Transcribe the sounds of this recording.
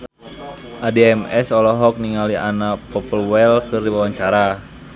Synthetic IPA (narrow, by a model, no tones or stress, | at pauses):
ʔadiɛmɛsɔlɔɦɔk̚niŋalianapɔpəlwɛlkɨrdiwawaɲt͡ʃaɾa